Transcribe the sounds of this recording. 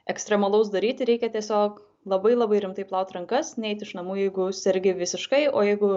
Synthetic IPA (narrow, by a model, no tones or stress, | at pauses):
ɛksʲt̪ɾʲɛmɐlˠɐʊs̬d̪ɐɾʲiːt̪ʲɪɾʲɛɪkʲɛt̪ʲiɛsʲoːk | lˠɐbɐɪlˠɐbɐɪɾʲɪmt̪ɐɪplˠɐʊt̪ʲɾɐŋkɐsnʲɛɛɪt̪ɪʃnɐmuːjɛɪɡʊsʲɛɾʲɡʲɪʋʲɪsʲɪʃkɐɪoːjɛɪɡʊ